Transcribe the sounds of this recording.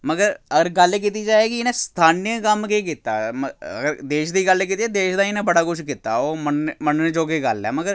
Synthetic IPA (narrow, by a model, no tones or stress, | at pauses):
məɡəɾəɡəɾɡəlːeːk̬it̪̬iːd͡ʒaːeːkiɪnẽːst̪ʰaːnijəkəmkeːk̬ɪt̪ːa̰ːməə̰ɡəɾd̪eːʃd̪iːɡəlːek̬iːt̪iaːd̪eːʃd̪aːiɪnẽːbəɽaːkʊt͡ʃʰkɪt̪ːa̰ːoːmənməned͡ʒoːkeːɡəlɛ̰ːməɡəɾ